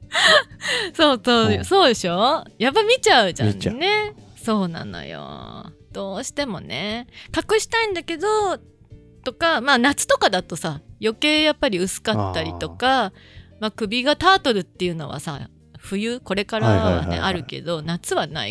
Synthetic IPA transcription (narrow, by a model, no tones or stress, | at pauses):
so̞ːsoːso̞ːd̪e̞ɕo̞japːamʲit͡ɕaɯ̟d͡ʑã̰nnːe̞ | so̞ːnã̰no̰jo̰d̪̥o̞ːɕi̥t̪e̞mo̞̰nḛkakɯ̟ɕi̥t̪aĩnd̪ake̞d̪o̞ | t̪o̞kamaːnat͡sɨ̥t̪o̞kad̪at̪o̞sajo̞ke̞ːjapːaɾʲiɯ̟sɨ̥kat̪ːaɾʲit̪o̞ka | makɯ̟bʲiɡat̪aːt̪o̞ɾɯ̟t̪ːe̞jɯ̟no̞̰βa̰sa̰ | ɸɯ̟jɯko̞ɾe̞kaɾaβa̰ḛʔaɾɯ̟ke̞̰d̪o̞nat͡sɨβana̰ḭ